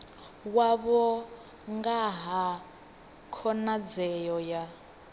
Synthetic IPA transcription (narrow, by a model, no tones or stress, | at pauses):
waβɔ | ŋɡaɦa | kʰɔnad͡zɛjɔja